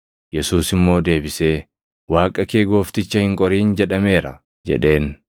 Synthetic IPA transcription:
jɛsuːsɪmːo̞ːd̪e̞ːbɪse̞ː | waːkʼɐke̞ːɡo̞ːft̪ɪt͡ʃːɐhɪŋkʼɔɾiːnd͡ʒɛᶑɐme̞ːɾɐ̰ | d͡ʒɛ̰ᶑe̞ːn

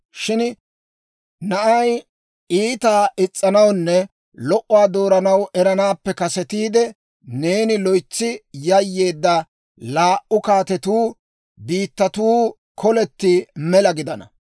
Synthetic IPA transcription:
ʃɪn | nɐʔɐj | ʔiːt̪aːʔɪt͡sʼːɐnɐwnːɛ | lɔʔʊwaːd̪oːɾɐnɐwɛɾɐnaːpːɛkɐsɛt̪iːd̪ɛ | ne̞ːnɪlɔjt͡sːɪjɐjːe̞ːd̪ːɐ | laːʔʊkaːt̪ɛt̪uː | biːt̪ːɐt̪uː | kʰɔlɛt̪ːɪmɛlɐɡɪd̪ɐnɐ̰

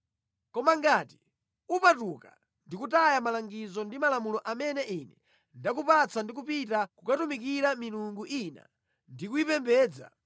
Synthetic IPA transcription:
kɔmaŋɡaːti̥ | upatuka̰ | ndikutajamalaŋɡizɔndimalamulɔʔamɛnɛʔinɛ | ndak̬upat͡sandik̬upitakukatumik̬iɾamiluŋɡuʔina̰ | ndikuipɛmbɛːd͡za̰

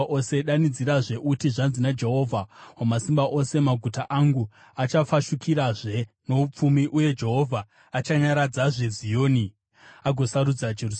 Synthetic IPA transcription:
ʔose̞ɗanid͡ziɾaʐe̞ʔutiʐanzinad͡ʒe̞ɦo̞vʱawamasimbaʔo̞se̞maɡʱutaʔaŋɡu | at͡ʃafaʃukʰiɾaʐe̞ | no̞up͡fumiʔuje̞d͡ʒe̞ɦo̞vʱaː | t͡ʃaɲaɾad͡zaʐe̞zijo̞ːni | aɡʱo̞saɾud͡zad͡ʒeru

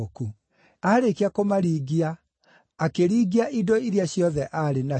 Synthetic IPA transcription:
oku | aɾekiakomaɾiɡiaː | keɾiːɡiaʔidɔiɾjaɕjɔðɛʔaɾena

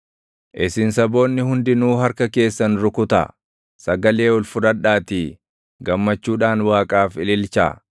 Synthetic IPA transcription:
ʔɪsɪnsɐbo̞ːnːɪhʊnd̪ɪnuːɦɐɾkɐke̞ːsːɐnɾʊkʊt̪ɐ̰ | sɐɡɐle̞ːɔlfʊɾɐᶑaːt̪i | ɡɐmːɐt͡ʃːuːᶑaːnwaːkʼaːfɪlɪlt͡ʃa̰ː

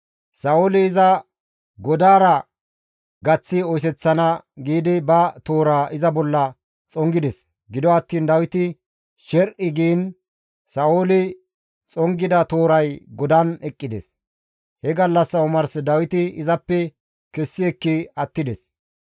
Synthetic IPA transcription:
sɐoːlɪɪzɐ | ɡɔd̪aːɾɐ | ɡɐt͡sːɪɔjs̬ɛt͡sːɐnɐɡiːd̪ɪbɐt̪o̞ːɾaːʔɪzɐbɔlːɐ | t͡sʼɔŋɡɪd̪ɛs | ɡɪd̪ɔɐt̪ːiːnd̪ɐwɪt̪ɪ | ʃɛɾʔɪɡiːn | sɐoːlɪ | t͡sʼɔŋɡɪd̪ɐt̪o̞ːɾɐjɡɔd̪ɐnɛkʼːɪd̪ɛ̰s | hɛɡɐlːɐsːɐʊmɐɾsɛd̪ɐwɪt̪ɪɪzɐpːɛ | kɛsːɪɛkːɪɐt̪ːɪd̪ɛs

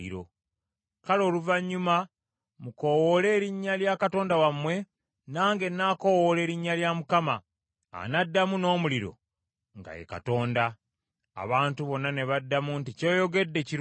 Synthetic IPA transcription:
ḭɾo̰ | kalo̞ːluvaɲːuma | muko̞wole̞ːɾiɲːaljakato̞ːndawamwe̞ | naːŋɡe̞nːako̞wole̞ːɾiɲːaljamukama̰ː | nadːamuno̞ːmuliɾo̞̰ | ŋɡa̰jḛka̰to̞ːnda̰ː | βaːntuβo̞nːane̞βadːamunticoːjo̞ɡe̞dːe̞ciɾ

